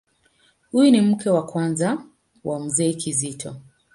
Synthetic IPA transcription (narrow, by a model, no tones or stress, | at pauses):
hujunim̩kɛwakwanza | wam̩zɛːkʰizitʰɔ